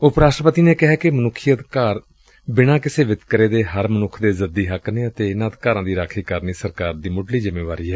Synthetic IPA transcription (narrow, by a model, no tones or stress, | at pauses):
ʊpɾaːsʈɾəpət̪iːneːkɪɦɛːkɪmənʊkʰːiəd̪kaːɾ | bɪɽ̃aːkɪseːʋɪt̪kəɾeːd̪eːɦəɾmənʊkʰd̪eːzəd̪iːɦəkneːət̪eːɪnaːd̪kaːɾãːd̪iːɾaːkʰiːkəɾniːsəɾkaːɾd̪iːmʊɖliːzɪmeːʋaːɾiːɦɛː